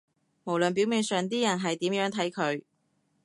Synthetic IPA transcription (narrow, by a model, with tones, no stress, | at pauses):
mo˨˩wlɵ˨npiː˨˥wmiː˨˧nsœː˨˩ŋt̪̬iː˥jɐ˨˩nɦɐ˨jt̪iː˨˥mjœː˨˥ŋt̪ʰɐ˨˥jkʰɵ˨˧ɥ